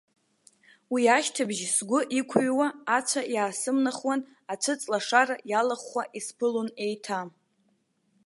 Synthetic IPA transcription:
wiaʃtʰɨbʒsɡʷʊʔikʷʰuɥwaːt͡ʃʷʰajaːsɨmnaχwan | at͡ʃʷʰɨt͡sʼlaʂarajalaχaʔispʰɨlone̞jtʰa

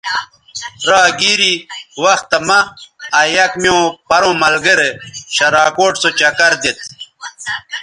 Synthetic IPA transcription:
ɾaːɡiːɾiwɐxt̪ːɐmɐajɐkmijõpɐɾõːmɐlɡeɾeɕɐɾaːkoːʈsot͡ɕɐkɐɾd̪et̪̚

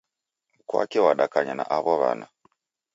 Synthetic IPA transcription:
kwa̰kɛwaɗakaɲanaʔaβɔβa̰na

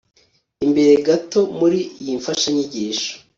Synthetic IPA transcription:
imbe̞ɾe̞ɡato̞muɾijiɱfaʃaɲiɟiːʃo̥

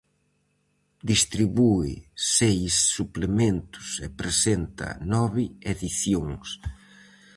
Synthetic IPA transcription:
d̪ist̪ɾiβuɪ̰sejsːuplemẽnt̪ʊ̥sepɾesent̪ɐ̰nɔβɪeðiθjoŋs

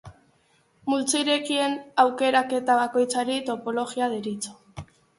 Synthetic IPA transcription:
mult͡seiɾe̞kie̞nawke̞ɾake̞t̪aβ̞ako̞jt͡saɾit̪o̞po̞lo̞ɣiaðeɾit͡so̥

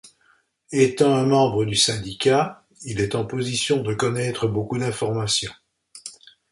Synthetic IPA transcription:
et̪ɑ̃ɛ̃mɑ̃bʁəd̪ysɛ̃d̪ika | ilɛt̪ɑ̃pozisjɔ̃d̪əkɔnɛt̪χəbokud̪ɛ̃fɔʁmasjɔ̃

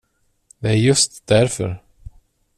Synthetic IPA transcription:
d̪ɛæɾjɵst̪d̪æɾfœ̰ɾ

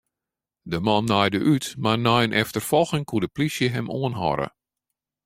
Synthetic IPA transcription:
dəmɔnːajdəʔytmarnɔjənʔɛftərfɔlˠxɪŋkʰuədəplisjəɦɛmoənɦɔ̰ɾə̰

